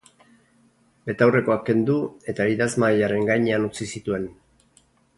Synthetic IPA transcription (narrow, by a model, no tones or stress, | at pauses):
be̞t̪awre̞ko̞akːe̞nd̪ue̞t̪aiðazmajaɾe̞ŋɡajɲeanut͡sisit̪ue̞n